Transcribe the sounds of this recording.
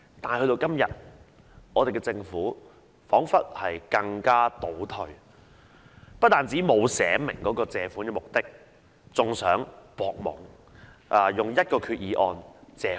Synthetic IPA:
t̪aː˨n˨jhɵ˧t̪o˧wkɐ˥mjɐ̰˨˩t̚ | ʔɔː˨˧t̪e˨jkɛː˧t͡sɪ˧ŋfuː˨˥ | fɔː˨˥ŋfɐ˥t̚hɐ˨jkɐ˧ŋkaː˥t̪o˨˥wt̪ʰɵ˧ɥ | pɐ˥t̚t̪aː˨nt͡siː˨˥mo˨˧wsɛː˨˥mɪ̰˨˩ŋkɔː˨˥kɔː˧t͡sɛː˨fu˨˥nkɛː˧mʊ˨k̚t̪ɪ˥k̚ | t͡sʊ˨ŋsœː˨˥ŋpɔː˨k̚mʊ̰˨˩ŋ | ʔa˨˩jʊ˨ŋjɐ˥t̚kɔː˧kʰyː˧t̚jiː˨˧ʔɔː˧nt͡sɛː˨˧

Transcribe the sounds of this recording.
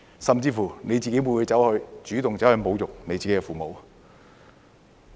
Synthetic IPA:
sɐ˨mt͡siː˧fuː˨˩ne˨˧jt͡siː˨ke˨˥wu˨˧nwu˨˧jt͡sɐ˨˥whɵ˨˧ɥt͡ʃyː˨˥t̪ʊ˨ŋt͡sɐ˨˥whɵ˧ɥmo˨˧wjʊ˨k̚ne˨˧jt͡si˨ke˥kɛ˧fuː˨mo˨˧w

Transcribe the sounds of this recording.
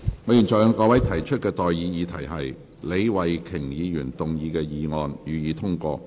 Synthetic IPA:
ŋɔː˨˥ji˨˩nt͡sɔː˨˩jɔ˨˧˥kɔː˧˥wɐ˨˥jt̪ʰɐ˨˩jt͡ʃʰɵ˥t̚kɛː˧t̪ɔː˨jjiː˨˧jiː˨˧t̪ʰɐ˨˩jɦɐ˨j | le˨˧jwɐ˨jkʰɪ˨˩ŋjiː˨˧jyː˨˩nt̪ʊ˨ŋjiː˨˧kɛː˧jiː˨˧ŋɔː˧njyː˨˧jiː˨˧t̪ʰʊ˥ŋkɔː˧

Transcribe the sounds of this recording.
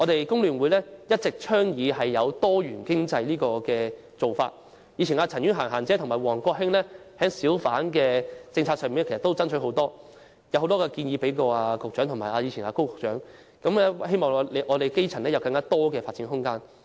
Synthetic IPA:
ɔ˨˧t̪e˨jkʊ˥ŋlyː˨˩nwuː˨˧jlɛː˥jɐ˥t̚t͡sɪ˨k̚t͡ʃʰœː˥ŋjiː˨˧ɦɐ˨jːɐ˨˧wt̪ɔː˥ɥyː˨˩nkɪ˥ŋt͡sɐ˧jliː˥kɔː˧kɛː˧ | t͡so˨wfaː˧t̚ | jiː˧t͡ɕʰiː˨˩naː˧t͡sʰɐ˨˩njy˥nɦaː˨˩ŋɦaː˨˩nt͡sɛː˨˥t̪ʰʊ˨˩maː˨˩wɔː˨˩ŋkɔː˧ɦɪ˥ŋlɛː˥hɛː˨˥ŋsiː˨˥wfaː˨˥nkɛː˧t͡sɪ˧ŋt͡sʰa˧sœ˧mi˨n˥kʰsɐ˨t̪wt͡sɐ˥nt͡ʃʰɵ˨˥ho˨˥wt̪ɔː˥ | jwho˨˥wt̪ɔː˥kɛː˧kiː˧njiː˨˧pe˨˥jkɔː˧aː˧kʊ˨t͡ʃœː˨˥ŋt̪ʰʊ˨˩maː˨˩jʔaː˧ji˨˧t͡ɕʰiː˨˩naː˧ko˥wkʊ˨k̚t͡ʃœː˨˥ŋ | kɐ˨˥mɛ˥ɦe˥jmɔː˨ŋ˧le˨˧ʔɔː˨˧t̪e˨jke˥jt͡sʰɐ˨˩nlɛː˥jɐ˨˧wkɐ˧ŋkaː˥t̪ɔː˥kɛː˧faː˧t̚t͡siː˨˥nɦʊ˥ŋkaː˥n

